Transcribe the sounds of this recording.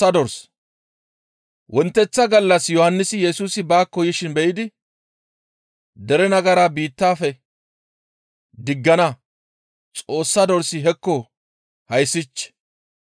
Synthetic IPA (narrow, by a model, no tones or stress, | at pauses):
ɐd̪ɔɾs | wʔɔnt̪ːɛt͡sːɐɡɐlːɐsjɔhɐnːɪsɪjɛsuːsɪbaːkːɔjɪʃɪnbɛʔɪd̪ɪ | d̪ɛɾɛnɐɡɐɾaːbiːt̪ːaːfɛ | d̪ɪɡːɐnɐ | t͡sʼo̞ːsːad̪ɔɾsɪɦɛkːɔ | hɐjsːɪt͡ʃːɛ̥